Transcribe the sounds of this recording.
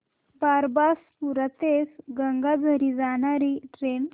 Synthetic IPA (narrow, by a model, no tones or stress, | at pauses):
baɾbaspuɾət̪esɡəŋɡad͡zʱəɾid͡zanaɾiʈɾen